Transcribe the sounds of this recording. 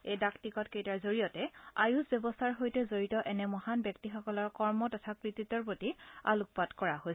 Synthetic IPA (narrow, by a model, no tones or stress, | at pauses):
ejdaktikɔtkejtaɹzoɹijɔtɛa̰jusbjɛbɔstʰaɹɦojtɛzoɹitɔʔɛnɛmɔhanbjɔktixɔkɔlɔɹkɔɹmɔtɔtʰakɹititɔɹpotia̰luk̚patkɔɹaɦojs